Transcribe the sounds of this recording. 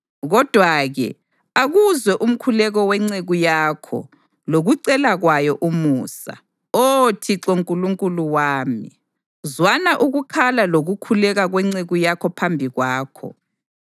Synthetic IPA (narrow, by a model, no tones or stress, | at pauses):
ɣɔd̥ʱwaɣɛ̰ | aɣuzwɛʔum̩kʰulɛɣɔwɛŋ͡ǀeɣujaːkʰɔ̰ | loɣuǀɛlaɣwajɔʔumuːsa̰ | otʰiǀoŋkʼuluŋkʼuluwaːmḭ | zwanaʔuɣukʰalaloɣukʰulɛɣaɣwɛŋ͡ǀeɣujakʰɔpʰambʱiɣwaːkʰɔ̰